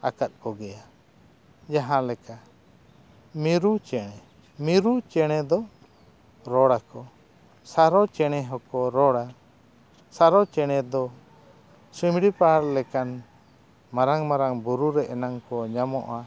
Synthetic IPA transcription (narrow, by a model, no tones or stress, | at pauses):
akat̪̚kɔɡɛja | d͡ʒaɦãlɛka | miɾut͡ʃɛɽ̃ɛ | miɾut͡ʃɛɽ̃ɛd̪ɔ | ɾɔɽakɔ | saɾɔt͡ʃɛɽ̃ɛɦɔkɔɾɔɽa | saɾɔt͡ʃɛɽ̃ɛd̪ɔ | simɽipaɾlɛkan | maɾaŋmaɾaŋbuɾuɾɛʔɛnaŋkɔɲamɔʔa